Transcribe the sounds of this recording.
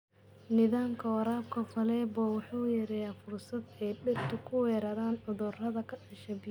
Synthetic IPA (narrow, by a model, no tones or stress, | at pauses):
nɪðaːmkʰɐwɐɾaːb̚kʰɐfɐlɛːbɔwɑħuːjɐɾɛjaːfʊrsɐd̪ɛjɖɛbt̪ʰʊkʰʊwɛːɾɐːðaːnʕʊðʊrɐðɐkʰɐɗɪʃɐbɪ